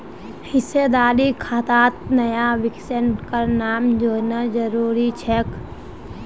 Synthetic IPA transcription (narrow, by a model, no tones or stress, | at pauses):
hɪsed̪aːɾikʰaːt̪aːt̪̚nəjaʋɪksənkanaːmd͡ʒoːnad͡ʒəɾuːɾit͡ʃʰɛk